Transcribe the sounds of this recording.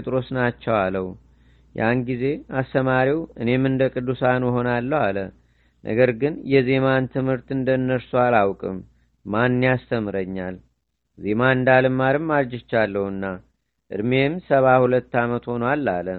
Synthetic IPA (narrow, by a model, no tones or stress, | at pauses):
t̪ʼɾo̞snat͡ʃːɛwaləw | jʔanɡize̞ast̪əmaɾiwɨne̞mɨnd̪əkʼɨd̪ːusanuɦo̞nalːəwalə | nʔə̰ɡəɾɡɨnjɛze̞mant̪ʰɨmhɨɾt̪ɨnd̪ənːəɾsualawkʼɨ̰mː | anːijast̪ʰəmɨɾəɲːal | ze̞maɨnd̪alɨmːaɾɨmːaɾd͡ʒɪt͡ʃːalːəwunːa | ʔɨ̰d̪me̞msəβahulət̪ːamət̪ho̞nəwalːalə